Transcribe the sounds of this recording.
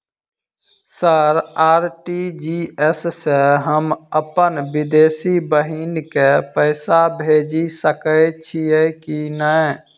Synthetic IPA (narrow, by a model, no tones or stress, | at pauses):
səɾaːɾʈid͡ʒiɛsseɦəməpənʋɪd̪eːsibəɦinkepəɪsabʱeːd͡ʒisəkət͡ʃʰiekinəɛ